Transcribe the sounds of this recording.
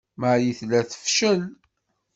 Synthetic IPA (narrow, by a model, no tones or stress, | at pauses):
məjiθlæθə̥fʃəl